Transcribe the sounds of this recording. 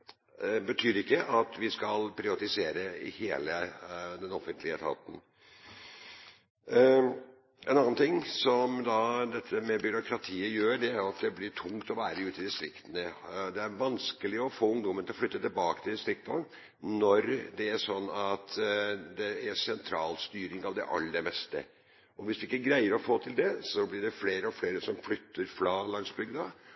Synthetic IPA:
bət̪ʰyːɾɪkːəʔɑt̪ʋɪskɑlpʰɾɪʋɑt̪ɪseːɾəɪ̰heːləd̪ɛnɔfənt̪lɪət̪ʰɑ̰p̪ən̩ | ʔɛ̰nɑnːnt̪ʰɪŋːsɔmd̪ɑd̪ɛt̪ʰːəmɛbʏɾʊkʰɾɑt̪ʰiːəjøːɖɛæɾjʊɑt̪d̪ɛblɪʈʰʊŋt̪ɔʋæːɾəʉːt̪ɪd̪ɪst̪ɾɪkt̪ənəd̪ɛæɾʋɑnskəlɪɔfoːʊŋd̪ɔmənt̪ʰɪlɔflʏt̪ːət̪ɪbɑːkə̥t̪ʰɪld̪ɪst̪ɾɪk̚t̪ | nɔɾd̪ɛæʂɔnːɑt̪d̪ɛæsɛnt̪ʰɾɑːlst̪yːɾɪŋɑʋd̪ɛ̰ʔɑ̰lːəd̪ɛmɛst̪ə̰ | ɔʋɪsd̪ʉɪkːəæɾɡɾæɪəɾɔfoːt̪ʰɪld̪ɛsɔblɪɖɛfleːɾəɔfleːɾəsɔmflʏt̪ʰːəɾfɾɑːlɑnsbʏɡd̪ɑ

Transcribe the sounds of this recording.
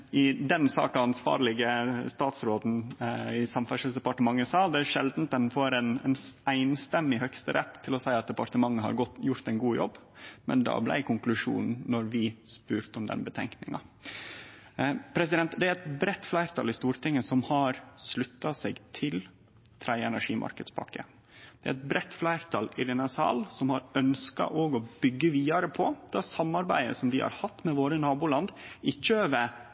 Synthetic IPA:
ɪd̪ɛnsɑ̰ːkɑɑnsʋɑ̰ːɾlɪɡəst̪ɑːt̪sɾoːd̪n̩ɪsɑmfæʂəl̩sd̪ɛpɑʈəmɑŋːəsɑːd̪ɛæɾʂɛld̪n̩t̪ɛn̩foːɾɛnɛ̰næɪnst̪ɛmːɪɦœkst̪əɾʔɛt̪ʰːɪlɔsæɪɑt̪̚d̪ɛpɑɾʈ̪əmɑŋːəhɑ̰ɾɡɔt̪jʊɾt̪ɛɪnɡuːjɔ̰bː | mɛ̰nd̪ɑ̰ːblæ̰ɪkʰʊŋklʉʂṵːnn̩nːɔɾʋɪspʉːɾt̪ɔmd̪ɛ̰nbət̪ʰɛ̰ŋknɪ̰ŋɑ | pʰɾɛs̬ɪd̪ɛnt̪d̪ɛæɾɛt̪bɾɛt̪ːflæɪɾt̪ʰɑ̰lɪst̪uːɾt̪ʰɪŋːəsɔmhɑɾslʉt̪ːɑseːɡt̪ʰɪl | t̪ʰɾæɪɛnæʂiːmʔɑ̰ɾkəd̪spʰɑ̰kːə̰ | d̪̥ɛæɾɛt̪̚bɾɛt̪ːflæɪɾt̪ʰɑlɪɾɪnɑsɑ̰ːlsɔmhɑɾœnskɑ̰ʔoːɡɔbʏɡːəʋiːɑɾəpʰɔd̪̥ɑsɑmːɑɾbæɪə̰sɔmd̪ɪhɑ̰ɾhɑt̪ːmɛʋoːɾənɑːbʊlɑnd̪ɪt͡ʃːøːʋə

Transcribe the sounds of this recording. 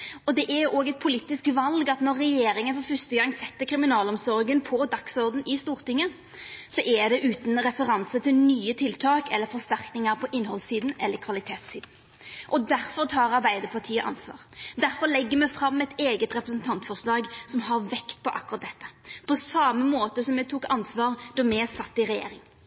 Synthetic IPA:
ɔd̪ɛʔæʔoːɡɛt̪̚pʰʊliːt̪ːɪskʋɑlɡɑt̪nɔɾːɛjeːɾɪŋənfɔɾfœst̪əɡɑŋːsɛt̪ːəkʰɾɪmɪnɑːlɔmsɔɾɡənpʰɔd̪ɑksɔʁd̪n̩ʔɪst̪uːɾt̪ɪŋːə | sɔʔɛd̪ɛʔʉːt̪nɾɛfəɾɑnsət̪ʰɪlnyːət̪ʰɪlt̪ʰɑːkɛlːəɾfɔst̪æɾknɪŋəɾpʰɔʔɪnːɦɔlsiːd̪n̩ɛ̰lːəɾkʰʋɑlɪt̪ʰeːt̪siːd̪n̩ | ʔɔd̪æɾfɔɾt̪ʰɑːɾɑɾbæɪd̪əpʰɑʁt̪ʰiːəʔɑ̰nsʋɑ̰ːʁd̪æɾfɔlɛɡːəmɛfɾɑmːɛt̪eːɡət̪ɾɛpɾəsn̩t̪ʰɑnt̪fɔslɑːɡsɔmɦɑɾʋɛkt̪pʰɔʔɑ̰kːʊɾɑt̪̚d̪ɛt̪ːə̥pʰɔsɑməmoːt̪əsɔmɛt̪ʰuːkɑnsʋɑːʁd̪̥ɔmɛsɑt̪ːɪɾɛjḛːɾɪŋ

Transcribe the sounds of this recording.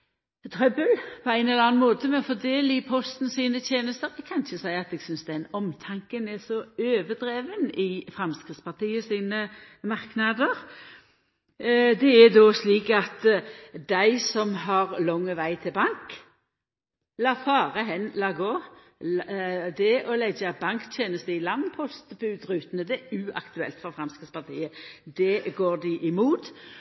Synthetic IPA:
t̪ʰɾœbəlpʰɔæɪnɛləɑnmoːt̪əmɛɔfɔd̪eːlɪpʰɔst̪n̩siːnət̪ʰjeːnəst̪əɾɛkʰɑnɪçəsæɪɑt̪ɛːɡsʏnsd̪ɛnɔmt̪ʰɑŋkənɛsɔøːʋəd̪ɾeːʋənɪfɾɑmskʁɪt̪spɑt̪iːəsiːnə | mɑʁknɑd̪əʁ | d̪ɛɛd̪ɔːsliːkɑt̪d̪æɪsɔmɦɑʁlɔŋːəʋæɪt̪ʰɪlbɑŋk | lɑːfɑːʁəɦɛnlɑːɡoː | d̪ɛʔɔlɛɡəbɑŋkt̪ʰjeːnəst̪əɪlɑŋpʰɔst̪bʉʉːt̪ɾʉːt̪ənəd̪ɛæʉɑ̰kt̪ʉɛ̰lt̪fɔfɾɑmskɪt̪spɑʁt̪ʰiːəd̪ɛɡoːʁd̪ɪʔɪmuːt̪

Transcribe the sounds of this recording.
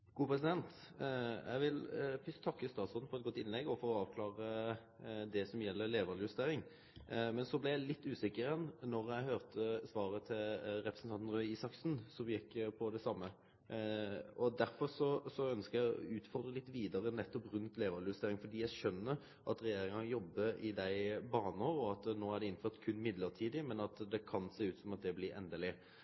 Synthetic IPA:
ɡ̥uːpʰʁɛsɪd̪ɛnt̪jæ̰ɪʋɪlfʰʏst̪ʰːɑkːəst̪ɑːt̪sɔd̪n̩fɔɾɛt̪ɡɔt̪ːɪnlɛɡɔfoːɔɑːʋkʰlɑːʁə | d̪ɛsɔmjɛlːəleːʋəlɪjʉst̪eːɾɪŋ | mɛnsɔblɪjæɪlɪt̪ːʉːsɪkːəɛnnɔɾjæɪhøːʁt̪ʰəsʋɑːʁət̪ʰɪlɾɛpʰɾəsnt̪ɑnn̩ʁœʏiːsɑksn̩sɔmjɛkːpʰɔd̪ɛsɑmːə | ɔd̪æɾfɔʁsɔsɔœnskəjæɪɔʉːt̪fɔʁd̪ʁəlɪt̪ːʋiːd̪əɾənɛt̪ːɔpɾʉnt̪leːʋɑljʉst̪eːɾɪŋfɔd̪iːjæɪʃœnːəɾ | ʔɑt̪ɾɛjeːɾɪŋɑjɔbːəɾɪd̪æɪbɑːnəɔɔɑt̪noːæʁɖɛɪnføːʁt̪kʰʉnːmɪd̪ləʁt̪ʰiːd̪ɪmɛnɑt̪d̪ɛkʰɑnseːʉːt̪sɔmɑt̪̚d̪ɛblɪɾɛ̰nd̪əlɪ

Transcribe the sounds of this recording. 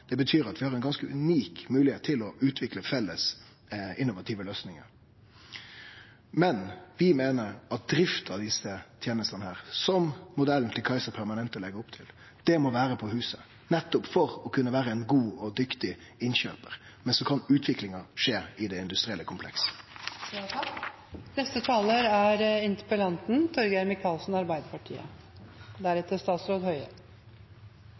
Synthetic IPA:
d̪̥ɛbət̪ʰyːɾɑt̪ʋɪhɑɾɛɪnɡɑnskəʔʉniːkmʉːlɪheːt̪ʰːɪlɔʔʉːt̪ʰʋɪkləfɛlːəs | ɪnːʊʋɑt̪ʰiːʋəløːsnɪŋə̰ | mɛnʋɪmeːnəɾɑt̪̚d̪ɾɪft̪ɑd̪ɪsət̪ʰjeːnəst̪ɑnəhæːʁsɔmmʊd̪ɛln̩t̪ʰɪlkʰɑɪsəɾpʰæɾmɑnɛnt̪ɔlɛɡəɾʊpt̪ʰɪl | d̪̥ɛmɔʋæːɾəpʰɔɦʉːsə | nɛt̪ːɔpfɔʁɔkʰʉnːəʋæːɾəɛɪnɡuːɔd̪ʏkt̪ɪ | ɪnɕø̰ːpəɾ | mɛnsɔkʰɑnʉːt̪ʰʋɪklɪŋɑʂeːɪd̪ɛɪnd̪ʉst̪ɾɪɛlːəkʰʊmpʰlɛ̰ks | nɛst̪ət̪ʰɑːləɾæɾɪnt̪ə̥pəlɑnt̪n̩t̪ʰɔɾɡəjæɾmɪkʰɑːlsn̩ɑɾbæɪd̪əpʰɑʈʰḭːə̰ | d̪æɾɛt̪ːəst̪ɑːt̪sɾoːd̪hœʏə

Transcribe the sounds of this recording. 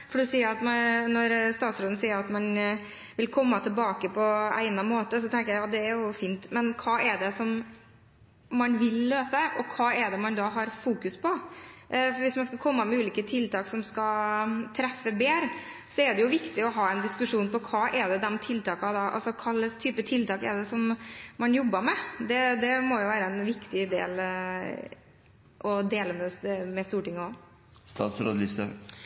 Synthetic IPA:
fɔɖʉsiːəɾɑt̪mɑnɔɾst̪ɑːt̪sɾoːd̪n̩siːəɾɑt̪mɑn | ʋɪlkʰɔmːɑt̪ʰɪlbɑːkəpʰɔæ̰ɪnɑmoːt̪əsɔt̪ʰɛŋkəjæɪjɑːd̪ɛæɾjʊfiːnt̪mɛnkʰɑːʔɛɖɛsɔm | mɑnʋɪlːøːsəʔɔkʰɑːɛɖ̪ɛmɑnd̪ɑːɦɑɾfuːkʉspʰɔʔfɔɾʋɪsmɑnskɑkʰɔmːɑmɛʉːliːkət̪ʰɪlt̪ʰɑːksɔmskɑt̪ʰɾɛfːəbeːɾ | sɔɛɖɛjʊʋɪkt̪ɪɔɦɑːɛnd̪ɪskʉʂuːnpɔkʰɑːʔɛɖ̪ɛd̪ɛnt̪ʰɪlt̪ɑːkɑd̪ɑʔɑ̰lsɔkʰɑlːəst̪ʰyːpət̪ʰɪlt̪ɑːkɛɖ̪ɛsɔmmɑnjɔbːəmɛd̪ɛd̪ɛmɔjʊʋæːɾəɛnʋɪkt̪ɪd̪ḛːl | ʔɔd̪eːləmɛmɛst̪uːʈɪŋːəɔ | st̪ɑ̰ːt̪sɾo̰ːd̪lɪsə̰

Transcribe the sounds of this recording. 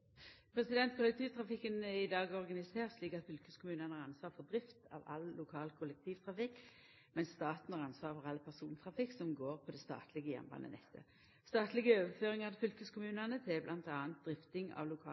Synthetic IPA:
pʰɾɛsɪd̪ɛnt̪kʰʊlɛk̚t̪ʰiːʋt̪ʰʁɑfɪkːənɛɪd̪ɑːɡɔʁɡɑnɪseːʁt̪sliːkɑt̪fʏlkəskʰʊmʉːnɑnəɑɾʁɑnsʋɑːɾfɔd̪ɾɪft̪ɑ̰ʋɑ̰llʊkʰɑːlkʰʊlɛk̚t̪ʰiːʋt̪ʰʁɑfɪkː | mɛnsːt̪ɑːt̪n̩hɑːʁɑnsʋɑːʁfɔʁɑlpʰæʁsuːnt̪ʰʁɑfɪksɔmɡoːʁpʰɔd̪ɛst̪ɑ̰ːt̪ʰlɪɡəjɛ̰mbɑ̰nə̰nɛ̰t̪ʰːə̰ | st̪ɑːt̪lɪɡəøːʋəføːʁɪŋɑʁd̪fʏlkəskʊmʉːnɑnət̪ʰɛblʔɑnt̪ɑːnt̪̚d̪ʁɪft̪ɪŋɑ̰ʋlʊkʰɑː

